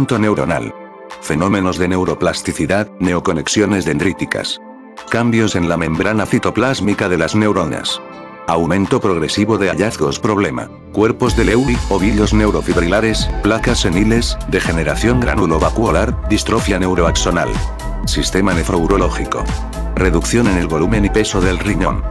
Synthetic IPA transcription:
nt̪one̞wɾo̞̰na̰l | fe̞no̞mẽ̞no̞zðe̞ne̞wɾo̞plast̪iθiðaðne̞oko̞ne̞ksjo̞ne̞zðe̞nd̪ɾit̪ika̰s | kambjo̞se̞nlamẽ̞mbɾanafit̪o̞plazmikaðe̞lazne̞wɾona̰s | awmẽ̞nt̪opɾo̞ɣɾe̞siβo̞ðe̞aʎaθɣo̞spɾo̞β̞le̞ma̰ | kwe̞ɾpo̞zðe̞lewloβ̞ilo̞zne̞wɾofiβɾilaɾesplakase̞nile̞sd̪e̞xe̞ne̞ɾaθjo̞ŋɡɾa̰nulo̞βakwo̞laɾd̪ist̪ɾofjane̞wɾoakso̞na̰l | sist̪e̞mane̞fɾowɾo̞lo̞xiko̰ | re̞ðukθjo̞ne̞ne̞lβo̞lumẽnipe̞so̞ðe̞lriɲo̞̰n

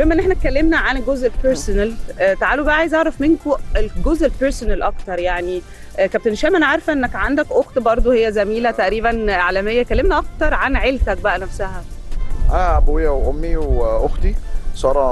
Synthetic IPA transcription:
wemʔenʔeħnæt̪̚kːælːemnæʕanɡozʔelpeɾsonælt̪aʕaːlobæʔʕajezʔɑʕɾˤɑfmenkoelɡozʔelpeɾsonælʔɑkt̪ɑɾˤjaʕni | kæb̚t̪enʃæːmænʕaɾˤfʔenːækʕand̪ækʔoxt̪bɑɾˤd̪ˤohejːæzæmiːlæt̪æʔɾiːβænʕalæmejːækælːemnæʔɑk̚t̪ɑɾˤʕanʕelt̪æk̚bæʔænæfsæhæʔæːbowjːæweʔomːiwʔoxt̪isɑɾˤɑː

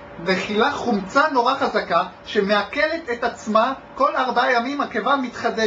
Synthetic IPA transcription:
veχilaχumt͡sano̞ʁaχazaka | ʃemeake̞le̞t̪et̪at͡smako̞laʁbaajamimhakevamit̪χad̪e

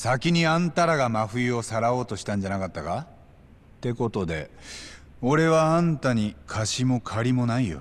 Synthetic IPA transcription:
sakʲiɲ̟iãnt̪aɾaɡamaɸɯ̟io̞saɾao̞ːt̪o̞ɕi̥t̪ãɲ̟d͡ʑanakat̪ːaka | t̪e̞ko̞t̪o̞d̪e̞̰ | o̞ɾe̞βaãnt̪aɲ̟ikʰaɕimo̞kʰaɾʲimo̞naijo̰

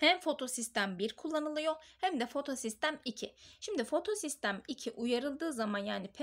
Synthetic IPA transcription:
hæmfo̞t̪ʰo̞sist̪ʰæmbiɾkʰulˠːanɯlˠɯjo̞hæmd̪ɛfo̞t̪ʰo̞sist̪ʰæmicʰɪʃimd̪ifo̞t̪ʰo̞sist̪ʰæmicʰiʔujaɾɯlˠd̪ɯːzamanjaːnipʰɛ

